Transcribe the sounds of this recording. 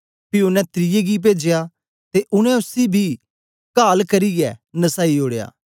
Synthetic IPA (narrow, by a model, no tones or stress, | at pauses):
pɪʊnɛ̃ːt̪ɾɪjeːɡip̬eːd͡ʒejaː | t̪eːʔʊnɛ̃ʊsiːbʱiː | kaːlkɐɾiːɡɛːnəsaːioːɽeja̰ː